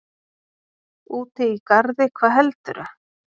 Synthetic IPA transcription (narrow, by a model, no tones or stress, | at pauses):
uːt̪ɪikaɾðɪkʰvaːðɦɛlt̪ʏɾʏ